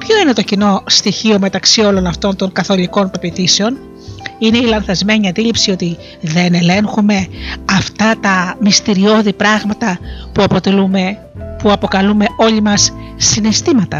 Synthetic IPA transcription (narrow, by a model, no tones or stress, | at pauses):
pço̞ine̞t̪o̞cino̞st̪içio̞me̞t̪ɐksio̞lo̞nɐft̪o̞nt̪o̞ŋkɐθo̞liko̞npe̞pit̪ise̞o̞n | ine̞ilɐnθɐzme̞ɲiɐnd̪ilipsio̞t̪i | ðe̞ne̞le̞ŋxume̞ɐft̪ɐt̪ɐmist̪iɾio̞ðipɾɐɣmɐt̪ɐpuɐpot̪elume | puɐpo̞kɐlume̞o̞ʎimɐsːine̞st̪imɐt̪ɐ